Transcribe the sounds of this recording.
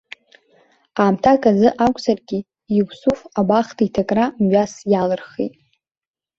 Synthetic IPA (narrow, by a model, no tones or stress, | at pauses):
aːmtʰakʼazɨʔakʷʰʼsarɡʲi | iɡʷsufabaχtʰitʰakʼramɥasjalɨrχḛjtʼ